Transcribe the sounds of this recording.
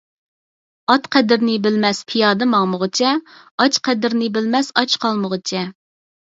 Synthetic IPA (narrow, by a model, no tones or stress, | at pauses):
ɑt̪qʰɛd̪ɪɾnɪbɪlmɛspʰijɑːd̪ɨmɑŋməʁət͡ʃʰɛ | ɑt͡ʃqʰɛd̪ɪɾnɪbɪlmɛsɑt͡ʃqʰɑlˠməʁət͡ʃʰɛ